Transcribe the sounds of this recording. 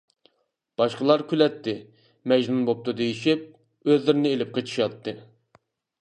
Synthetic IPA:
b̥ɑʃqəlˠɑɾkʲylɛt̪ʰːɪ | mɛʒnunbop̚t̪ud̪ejiʃip̚ | øzlɪɾɪnɪelɪp̚qʰət͡ʃʰi̥ʃɑt̪ʰːɨ

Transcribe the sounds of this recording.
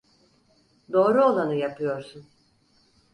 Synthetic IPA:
d̪o̞ːɾuolˠanɯjapʰɯjo̞ɾsun

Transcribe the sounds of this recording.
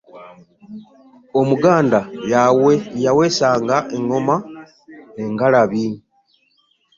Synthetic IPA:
o̞muɡaːndajawe̞jawe̞ːsaːŋɡaʔe̞ŋo̞ma | e̞ŋɡalaβi

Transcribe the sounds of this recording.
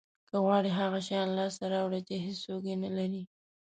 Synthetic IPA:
kəɣwɑɽiɦaɣaʃajɑnlɑst̪aɾawɽat͡ʃeɦesoɡenalaɾi

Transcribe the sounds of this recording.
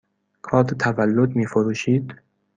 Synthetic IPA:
kʰɒːd̪et̪ʰævælːod̪miːfoɾuːʃiːd̪̥

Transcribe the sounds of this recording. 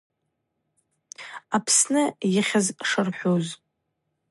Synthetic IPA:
apʰsnɨjɪχʲazʂɨrħʷoz

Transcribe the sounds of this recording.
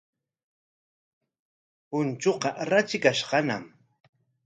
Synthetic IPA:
pʊnt͡ʃoqɑɾat͡ʃɪkaʃqɑna̰m

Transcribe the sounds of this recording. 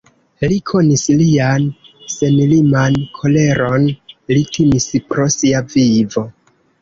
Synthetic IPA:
likʰo̞nislian | se̞milimankʰo̞le̞ɾo̞nlitʰimispɾo̞siavivo̞

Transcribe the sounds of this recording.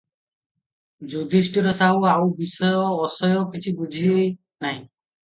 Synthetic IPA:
d͡ʒud̪ʱisʈiɾɔsaɦuawbisɔjɔːsɔjɔkit͡ɕʰibud͡ʑʱie | naj

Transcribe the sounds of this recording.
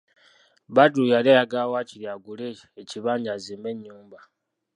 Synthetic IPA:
βadujalejaɡawaciljaɡuleːciβaːɲazimeɲːuːmba

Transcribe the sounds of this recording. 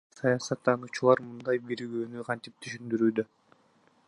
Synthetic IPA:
sɑjɑsɑt̪ːɑnut͡ʃulˠɑɾmɯnd̪ɑjbiɾɡøːnyqʰɑnt̪ip̚t̪ʰyʃynd̪yɾyːd̪ø

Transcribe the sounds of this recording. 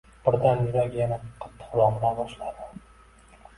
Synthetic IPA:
b̥ɪɾd̪anjʊɾakʲjanaqʰɑ̥t̪ʰːɪ̥χlˠɒmlaɾbɒʃlad̪ɪ̥

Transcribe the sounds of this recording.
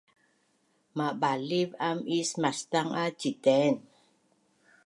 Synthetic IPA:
maʔbalivamismast̪aŋʔat͡ʃit̪ɛn

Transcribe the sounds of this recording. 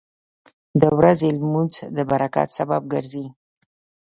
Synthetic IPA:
d̪əwɾazelmuzd̪əbaɾaka̰t̪sabab̚ɡəɾzi

